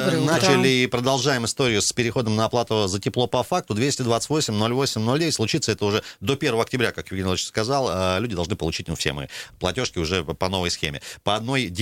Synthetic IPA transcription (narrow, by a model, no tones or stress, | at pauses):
nat͡ɕɪlʲɪipɾəd̪ɐlˠʐaɪmɨst̪o̞ɾʲɪjʊspʲɪɾʲɪxo̞d̪əmnəɐplˠat̪ʊzətʲɪplˠo̞pɐfak̚t̪ʊd̪vʲesʲtʲɪd̪vat̪sə̥tʲvo̞sʲɪmʲno̞lʲvo̞sʲɪmʲnolʲdʲeɪtʲslˠʊt͡ɕit̪səɛt̪əʊʐɛd̪o̞pʲervəvəɐk̚tʲɪbɾʲakakvʲɪɡʲenʲlˠt͡ɕskɐzalˠəlʲʉdʲɪd̪ɐlˠʐnɨpəlˠʊt͡ɕi̥t̚ʲnufsʲḛmɨ̰plˠɐ̰tʲo̞ʂkʲɪʊʐɛpɐno̞vəjsxʲḛmʲɪ̰pəɐd̪no̞jdʲ